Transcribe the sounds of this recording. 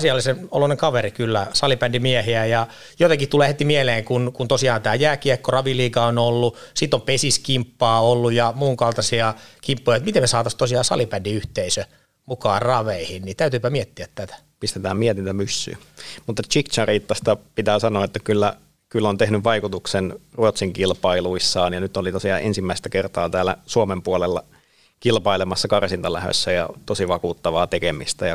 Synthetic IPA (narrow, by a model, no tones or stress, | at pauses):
siɑlːiseno̰loneŋkɑʋerikylːæsɑlipændimiɛhiæjɑ | jot̪eŋkit̪uleːhet̪imieleːŋkunkunt̪osiɑːnt̪æːjæːkiɛkːorɑʋiliːkɑonolːusit̪ːompesiskimpːɑːolːujjɑmuːŋkɑlt̪ɑsiɑkimpːojɑjt̪mit̪emmesɑːt̪ɑst̪osiɑːsɑ̰lipændiyht̪eisø | mukɑːrrɑʋeihinnit̪æyt̪yːpæmiɛt̪ːiæt̪t̪æt̪æ̥ | pist̪et̪æːmmiɛt̪int̪æmysːy̰ːmut̪ːɑt͡ʃikt͡ʃɑriːt̪ːɑst̪ɑpit̪æːsɑnoːet̪ːækylːæ | kylːont̪ehnyʋʋɑikut̪uksenruot̪siŋkilpɑiluisːɑːnjɑnyt̪olit̪osiɑːʔensimːæist̪ækert̪ɑːt̪æːlːæ̰suomempuolelːɑ̰ | kilpɑilemɑsːɑkɑrsint̪ɑlæ̰hø̰sːæjɑ̰t̪osiʋɑkuːt̪ːɑʋɑːt̪ekemḭst̪æjɑ